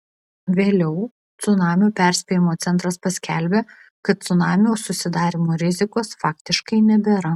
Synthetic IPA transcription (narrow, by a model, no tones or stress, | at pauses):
ʋʲeːlʲɛʊ | t̪sʊnɑːmʲuːpʲæˑɾʲsʲpʲeːjɪmoːt̪sʲɛnt̪ɾɐspɐsʲkʲɛlʲbʲeː | kɐt̪t̪sʊnɑːmʲjoːsʊsʲɪd̪ɑːɾʲɪmoːɾʲɪzʲɪkoːsfɑːkt̪ʲɪʃkɐɪnʲɛbʲeːɾɐ